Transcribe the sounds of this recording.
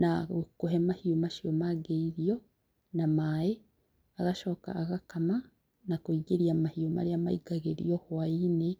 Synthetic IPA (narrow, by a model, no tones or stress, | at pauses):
nakuɦemahiumaʃiomaɡeiɾijo | namaje | aɡaʃoka̰ːɡakama | nakuiɟiɾiamahiuma̰ɾijama̰iɡaɡeɾḭjohwaine